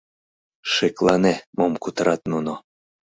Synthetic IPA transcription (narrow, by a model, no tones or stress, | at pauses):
ʃeklɑnemomkut̪əɾɑt̪nuno